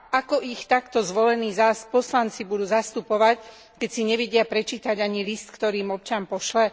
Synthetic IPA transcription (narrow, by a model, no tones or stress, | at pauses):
ʔakɔʔixt̪akt̪ɔzʋɔlɛniːzapɔslant͡sibud̪uːzast̪upɔʋac | kɛcsiɲɛʋɛɟɪapɾɛt͡ʃiːt̪aɟaɲilist̪kt̪ɔɾiːmɔp̚t͡ʃampɔʃlɛ